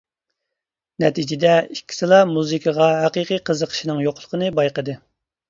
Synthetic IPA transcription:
nɛt̪ʰid͡ʒɪd̪ɛikʲːi̥sɨlˠɑmuzɨkʰəʁɑɦɛqiqijqʰəzəqʰə̥ʃinɨŋjoqʰlˠə̥qʰənɨbɑjqəd̪ɨ

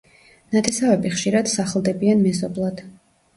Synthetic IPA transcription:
nat̪ʰɛsavɛbiχʃiɾad̪̥saχlˠd̪ɛbianmɛzɔblˠad̪̥

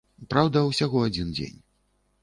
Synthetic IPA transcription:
pɾawd̪ɐwsʲaɣɔad͡zʲind͡zʲḛnʲ

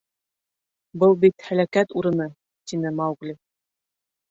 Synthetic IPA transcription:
bɤlˠbit̪hælækæt̪uɾɤ̆nɤ | t̪inɘmɑwɣli

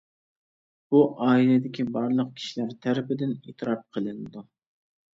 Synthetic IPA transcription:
b̥uʔɑːilɪd̪ɪkʲibɑɾlˠəq̚kʲʰi̥ʃilæɾt̪ʰæɾɪpɪd̪ɪneːt̪ʰɨɾɑp̚qʰəlˠɨnɪd̪u

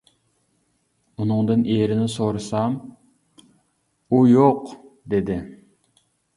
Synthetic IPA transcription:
unɨŋd̪ɨnʔeɾɪnɪsoɾɨsɑm | ujoq | d̪ed̪ɪ

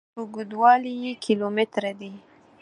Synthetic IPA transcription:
ʊɡud̪wɑlijekʰilomɪt̪ɾad̪i

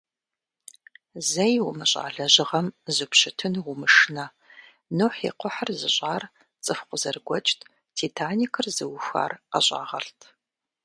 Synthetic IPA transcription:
zɐjwʊmɨɕʼa̰ːɮɐʑɪʁɐmzɨpɕɨtʰɨnwʊmɨʂnɐ | noħḭqʷʊħərzɨɕʼaːr | t͡sʼɨfqʷʊzɐrɡʷɔt͡ʃʼtʰʼ | tʰitʰaːnikʰɨrzɨwxʷa̰ːrɐɕʼa̰ːʁɐ̰ɬtʰ

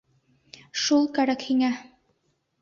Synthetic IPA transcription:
ʃulˠkæɾækhiŋæ

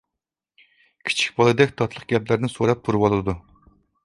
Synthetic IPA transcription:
kʲʰi̥t͡ʃʰi̥kʲbɑlˠɨd̪ɛkʲt̪ʰɑt̪ʰlˠəq̚ɡʲɛplæɾnɪsoɾɑp̚buɾwɑlˠɨd̪u

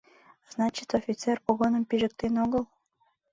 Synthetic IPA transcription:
z̥nɑt͡ɕit̪ofʲit̪sɛrpoɣonəmpiʒɘ̆k̚t̪enoɣəlˠ

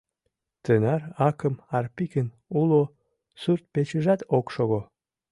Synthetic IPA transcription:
t̪ənæɾɑkə̆mɑrpikən | ulo | syrt̪̚pet͡ɕə̆ʒæt̪okʃoɣo

